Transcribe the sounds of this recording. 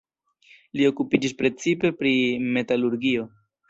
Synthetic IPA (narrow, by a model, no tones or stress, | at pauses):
lio̞kupid͡ʒispɾe̞t͡sipe̞pɾime̞taluɾɡio̞